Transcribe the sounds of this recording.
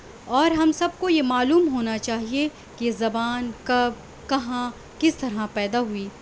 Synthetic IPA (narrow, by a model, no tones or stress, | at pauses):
ɔːɾɦɐmsɐb̚kojemaːluːmɦoːnat͡ʃaːɦie | kezɐbaːnkɐb̚ | kɐɦã | kɪst̪ɐɾɦãpɛːd̪aɦuiː